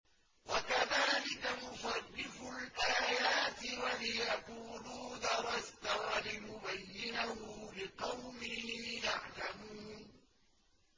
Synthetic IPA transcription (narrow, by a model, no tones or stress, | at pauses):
wakaðaːlɪkamʊfarːɪfʊlʔaːjaːt̪ɪwalɪjaquːluːd̪ɑɾˤɑst̪awalɪjʊbajːɪnahʊlɪqɑwmɪhjaʕlamuːnn